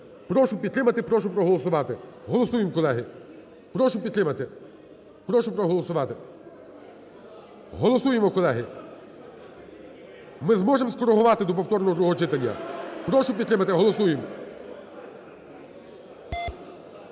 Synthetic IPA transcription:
pɾɔʃʊpʲid̪t̪ɾɪmɐt̪ɪpɾɔʃʊpɾɔɦɔlˠɔsʊʋɑt̪ɪɦɔlˠɔsujemkɔlˠɛɦɪ | pɾɔʃʊpʲid̪̚t̪ɾɪmɐt̪ɪ | pɾɔʃʊpɾɔɦɔlˠɔsʊʋɑt̪ɪ | ɦɔlˠɔsujemɔkɔlˠɛɦɪ | mɪzmɔʒemskɔɾeɦʊʋɑt̪ɪd̪ɔp̬ɔwt̪ɔrnɔɔd̪ɾuɦɔt͡ʃɪt̪ɐnʲːɐ̰pɾɔʃʊpʲid̪t̪ɾɪmɐt̪ɪɦɔlˠɔsujem

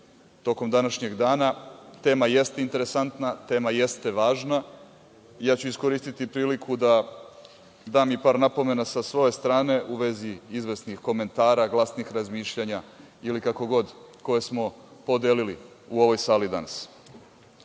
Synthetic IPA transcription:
t̪o̞ko̞md̪anaʃɲe̞ɡd̪aːnat̪e̞ːmaje̞st̪e̞int̪e̞ɾe̞sant̪nat̪e̞ːmaje̞st̪e̞ʋaːʒna | ijaːt͡ɕuisko̞ɾiːst̪it̪ipɾiːlikʰud̪a | d̪aːmipaːɾnapo̞me̞nasasʋo̞je̞st̪ɾaːne̞ʔuʋe̞ziizʋe̞snixko̞me̞nt̪aːɾaɡlˠasnixɾazmiːʃʎaɲa | ilikako̞ɡo̞d̪ko̞je̞smo̞ | po̞d̪eːlili | uo̞ʋo̞jsaːlid̪a̰nas

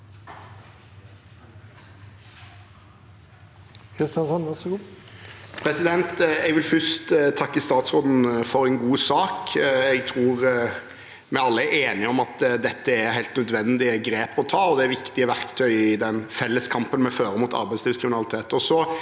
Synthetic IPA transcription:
kʰɾɪst̪ɪjɑnsɔnʋæɾsɡu | pʰɾɛsɪd̪ɛnt̪ɛɡʋɪlfʏst̪t̪ʰɑkːəst̪ɑːt̪sʁoːd̪n̩fɔɾɛnɡuːsɑːkɛɡt̪ʰɾuːɾ | mɛɑlːəæɾeːnɪɔmɑt̪d̪ɛt̪ːəæɾhæɪlt̪nœd̪ʋɛnd̪ɪəɡɾeːpɔt̪ʰɑːɔd̪ɛæɾʋɪkt̪ɪəʋæɾkt̪ʰœʏɪd̪ɛnfɛlːəskʰɑmpənmɛføːɾəmut̪ʰɑ̰ɾbæɪsliːʋskɾɪmɪnɑlɪt̪ʰeːt̪ɔsɔ

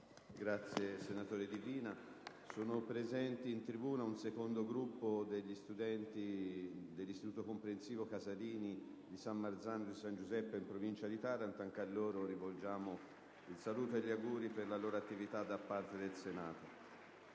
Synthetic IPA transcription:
ɡɾat̪sːjesenat̪oːɾid̪iviːna | soːnopɾezɛnt̪iːnt̪ɾibuːnaunsekond̪oɡɾupːod̪eʎːist̪ud̪ɛnt̪id̪elːist̪it̪uːt̪okompɾensiːvokazaliːni | d̪isamːard̪zand̪isand͡ʒuzɛpːeimpɾovint͡ʃad̪it̪aɾant̪aŋkealːoːɾoɾivold͡ʒaːmo | ilsaluːt̪oelʎːiaɡuːɾiperlaloːɾoat̪ːivit̪ad̪ːapːart̪ed̪elsenaːt̪o

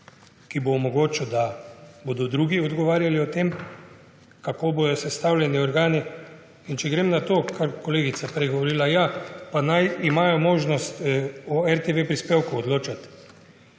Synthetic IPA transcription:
kibomɔɡoːt͡ʃɔd̪aboːd̪ɔd̪ɾuːɡiɔd̪ɡɔʋaːɾjaliɔt̪em | kakoːbod̪ɔsɛst̪aːwlʲjɛniɔɾɡaːni | int͡ʃɛɡɾemnat̪oːkaɾkɔleːɡit̪sapɾejɡɔʋɔɾiːlajapanajimaːjɔmoːʒnɔst̪ɔɛɾt̪eʋepɾispeːwkuɔd̪loːt͡ʃat̪

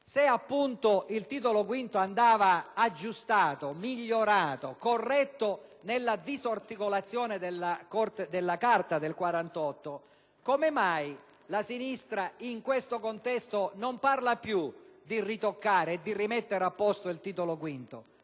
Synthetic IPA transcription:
seapːunt̪oʔilt̪iːt̪olokwint̪oand̪aːvaːd͡ʒːust̪aːt̪omiʎːoɾaːt̪okorːɛt̪ːonelːad̪izort̪ikolat̪sːjɔːned̪elːakɔrt̪ed̪elːakart̪ad̪elkwaɾant̪ɔt̪ːo | komemaj | lasinist̪ɾaiŋkwest̪okont̪ɛst̪onomparlapjud̪irit̪okːaːɾeːd̪ːirimɛt̪ːeɾapːɔst̪oilt̪iːt̪olokwint̪o̰

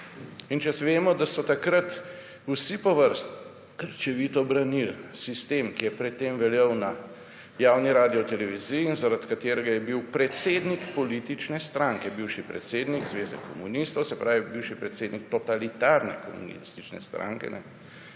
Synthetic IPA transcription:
int͡ʃasʋeːmɔd̪asɔt̪akɾat̪ | usipɔʋəɾst̪ | kəɾt͡ʃɛʋit̪ɔbɾanilsist̪emkijɛpɾɛt̪ːemʋɛljɛwna | jaːwniɾaːd̪iɔt̪ɛlɛʋizijiːnzaɾat̪kat̪eːɾɛɡajɛbiwpɾɛt̪seːd̪nikpɔliːt̪it͡ʃnɛst̪ɾaŋkɛbiwʃipɾɛ̰t̪seːd̪nikzʋeːzɛ̰kɔmunist̪ɔwsɛpɾʔaːʋibiwʃipɾɛt̪seːd̪nik̚t̪ɔt̪alit̪aɾnɛ̰kɔmṵnḭist̪it͡ʃnɛ̰st̪ɾa̰ŋkɛ̰nɛ̰

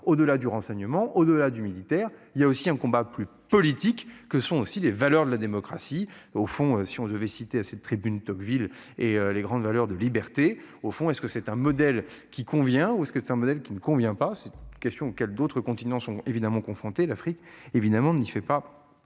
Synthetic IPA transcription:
od̪əlad̪yʁɑ̃sɛɲəmɑ̃ʔod̪əlad̪ymilit̪ɛːʁiljaosiɛ̃kɔ̃baply | pɔlit̪ikːəsɔ̃osilevalœʁd̪əlad̪emɔkχasiofɔ̃øsiɔ̃d̪əvɛsit̪easɛt̪ːχibynt̪ɔkvil | eøleɡʁɑ̃d̪valœʁd̪əlibɛʁt̪e | ofɔ̃ɛskəsɛt̪ɛ̃mɔd̪ɛl | kʲikɔ̃vjɛ̃uɛskəsɛt̪ɛ̃mɔd̪ɛlkʲinəkɔ̃vjɛ̃pasɛtkʲɛst̪jɔ̃okʲɛld̪ot̪χəkɔ̃t̪inɑ̃sɔ̃evid̪amɑ̃kɔ̃fχɔ̃t̪elafχikevid̪amɑ̃nifɛpa

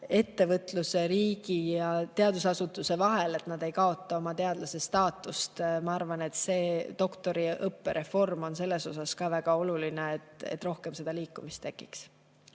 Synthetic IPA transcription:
e̞t̪ːe̞vɤt̪ˑluse̞ɾiːɡ̥ijɑt̪e̞ɑd̪̥usɑsut̪ːˑuse̞vɑɦe̞le̞t̪nɑd̪e̞jkɑo̞t̪ˑːɑo̞mɑt̪e̞ɑd̪lɑse̞st̪ɑːt̪ːˑust̪mɑɑrvɑne̞t̪se̞ːd̪̥o̞kt̪o̞ɾiɤpːe̞ɾʔe̞fo̞rmo̞nse̞lːe̞so̞sɑskɑːvæɡ̥ɑolulineet̪ḛt̪ːˑro̞hke̞mse̞d̪̥ɑliːkːˑumist̪ːe̞kːˑiks

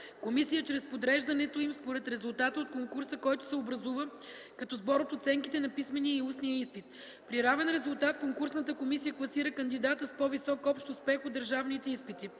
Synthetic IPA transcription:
komisijət͡ʃɾɛspod̪ɾɛʒd̪ɐnɛt̪oimspoɾɛt̪ɾɛzʊlˠt̪at̪əot̪̚koŋkuɾsəkɔjt̪ʊ̥sɛobɾɐzuvə | kɐt̪ɔzbɔɾot̪ot̪sɛŋkit̪ɛnɐpismɛniəiusnijəispit̪ | pɾiɾavɛnɾɛzʊlˠt̪at̪koŋkuɾsnət̪əkomisijəklˠɐsiɾəkɐnd̪id̪at̪əspɔvisɔkɔpʃt̪ʊspɛxod̪əɾʒavnit̪ɛispit̪i

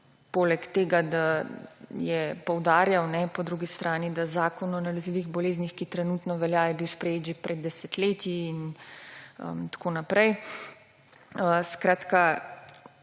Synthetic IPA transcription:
poːlɛkt̪eːɡad̪a | jɛpɔwd̪aːɾjawnɛpɔd̪ɾuɡist̪ɾaːnid̪azaːkɔnɔnalɛziːʋiɣbɔleːznixkit̪ɾɛnuːt̪nɔʋɛljajɛbiwspɾɛjeːd͡ʒipɾɛd̪ːɛsɛt̪leːt̪iːn | ə̰mt̪ḁkoːnapɾɛj | əskɾaːt̪ka

